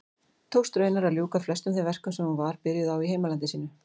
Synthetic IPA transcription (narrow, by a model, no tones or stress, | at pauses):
t̪ʰowst̪ɾœːjnaɾaðljuːkaflɛst̪ʏmθɪvɛr̥kʏsɛmhunvaɾ̥pɪɾjɪðawiɦeːjmalant̪ɪsiːnʏ